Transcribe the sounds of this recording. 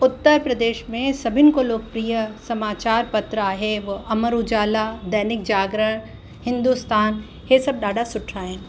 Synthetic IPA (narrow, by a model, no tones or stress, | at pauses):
ʊt̪ːəɾpɾɐd̪eːʃmẽsɐbʱɪnɪ̆koloːɡ̚pɾijəsɐmaːt͡ʃaːɾpɐt̪ɾəaːɦeʋɐɐməɾud͡ʒaːlad̪ɐɦnɪk̚d͡ʒaːɡɾəɽ | hɪ̃nd̪ust̪aːn | ɦesɐb̚ɗaːɖʱasʊʈʰːaːɦẽː